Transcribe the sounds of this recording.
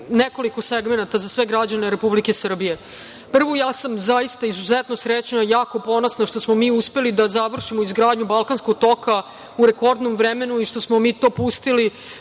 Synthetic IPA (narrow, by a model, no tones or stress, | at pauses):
neko̞liko̞seɡme̞nat̪azasʋeɡɾad͡ʑaneɾepublikesr̩bije̞ | pr̩ʋojaːsamzaist̪aizuzet̪no̞sɾet͡ɕnajaːko̞po̞nosnaʃt̪o̞smomiːuspe̞lid̪azaʋr̩ʃimoizɡɾaːd̪ɲubalˠkanskoɡ̚t̪o̞ka | uɾeko̞ɾd̪nomvɾeme̞nuiʃt̪o̞smomiːt̪o̞ːpust̪ili